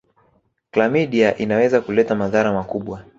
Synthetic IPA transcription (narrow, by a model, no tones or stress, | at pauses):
klamiɗiaʔinawɛzakulɛtamaðaɾamakuɓwa